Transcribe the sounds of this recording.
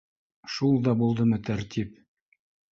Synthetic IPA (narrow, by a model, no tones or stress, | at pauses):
ʃulˠd̪ɑbulˠd̪ɤmɤt̪æɾt̪ʲʰip